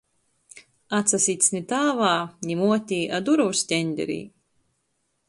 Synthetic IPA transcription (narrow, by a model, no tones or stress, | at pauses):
at̪sasiːt̪snʲit̪aːvaːnʲimuɔt̪ʲiːʔad̪uɾɔwst̪ʲɛnʲd̪ʲɛ̰ɾḭː